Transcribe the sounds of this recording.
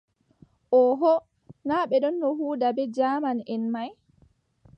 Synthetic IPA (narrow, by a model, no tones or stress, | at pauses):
ʔɔɦɔ | naːɓɛɗɔnːɔhuːdabɛd͡ʒamanɛnmaj